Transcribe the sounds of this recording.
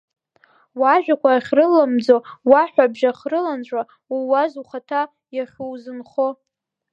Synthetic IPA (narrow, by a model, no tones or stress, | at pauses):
waʒᶣʷakʷaːχʲrɨlːamd͡zowaħʷᶣabʒaχrɨlant͡ɕʷʼa | uwazuχatʰa | jaχʲuwzɨnχo